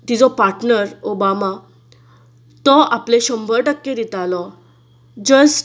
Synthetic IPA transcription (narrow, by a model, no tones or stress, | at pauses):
t̪id͡zɔpaɾʈnəɾobama | t̪ɔʔaplẽɕəmbʱəɾʈəkːed̪it̪alɔ | d͡ʑəsʈ